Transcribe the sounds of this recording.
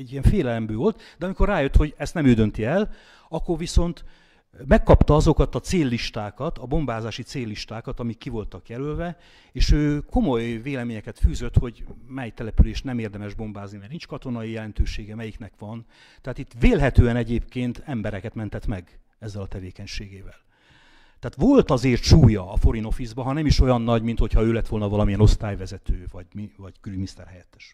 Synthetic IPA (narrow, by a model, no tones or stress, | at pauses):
ɛɟːijɛɱfeːlɛlɛmbøːvolt̪d̪̥ɛɒmiko̞raːjøt̪ho̞ɟɛst̪nɛmøːd̪ø̞nt̪iɛl | ɒkːo̞rʋiso̞nt̪ | mɛkːɒpt̪ɒɒzo̞kɒt̪ɒt̪seːlːiʃt̪aːkɒt̪ɒbo̞mbaːzaːʃit̪seːlːiʃt̪aːkɒt̪ɒmikːivo̞lt̪ɒkjɛlølvɛ | eːʃøːko̞mo̞jveːlɛmeːɲɛkɛt̪fyːzø̞t̪ho̞ɟmɛjt̪ɛlɛpyleːʃnɛmeːrd̪ɛmɛʒbo̞mbaːznimɛrnint͡ʃkɒt̪o̞nɒijɛlɛn̪t̪øːʃeːɡɛmɛjiknɛkʋɒnt̪ɛɦaːt̪it̪ːveːlɦɛt̪øːɛnɛɟeːpkeːnt̪ɛmbɛɾɛkɛt̪mɛnt̪ɛt̪mɛɡ | ɛzːɛlɒt̪ɛveːkɛɲʃeːɡeːvɛl | t̪ɛːt̪ʋo̞lt̪ɒzeːrt̪ʃuːjɒːfo̞ɾino̞fizbɒɦɒnɛmiʃo̞jɒnːɒɟmint̪ho̞cʰhɒøːlɛt̪ːʋo̞lnɒvɒlɒmiɛno̞st̪aːjvɛzɛt̪øːvɒɟmivɒɟ̥ɡylyminist̪ɛ̰rhɛjɛt̪ːɛ̥ʃ